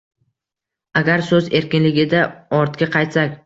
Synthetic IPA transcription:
aɡʲaɾsɵze̞ɾkʲɪnlɪɡʲɪd̪aɒɾt̪kʲaqʰɑjt̪sakʲ

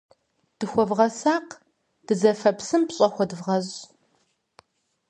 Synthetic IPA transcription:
d̥ɨxʷɔvʁɐsaːq | d̥ɨzɐfɐpsɨmpɕʼɐxʷɔdɨvʁɐʑ

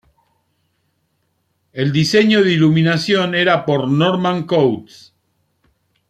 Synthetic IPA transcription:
eld̪iseɲoðiluminasjo̞neɾapoɾnoɾmãŋkowt̪s

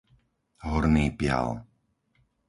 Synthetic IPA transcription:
ɦɔɾniːpɪa̰l

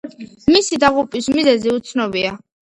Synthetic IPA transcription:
misid̪aʁupʼismizɛziut̪sʰnɔbia

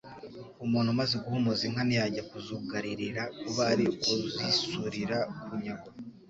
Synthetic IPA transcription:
umuːn̤humazeɡuhumoziŋhanijaɟakuzuɡaɾiɾiɾakuβaɾiuzisuɾiɾakuɾuɲaɡo

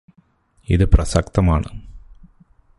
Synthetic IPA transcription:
iðɨprɐsɐk̚t̪ɐmaːɳɨ̰

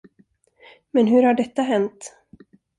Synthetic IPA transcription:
mɛnɦɵɾhaɖɛt̪ːaɦɛnt̪

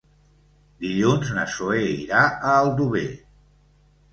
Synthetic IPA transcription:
d̪iʎunznəsoeiɾaʔəːlˠd̪uβe

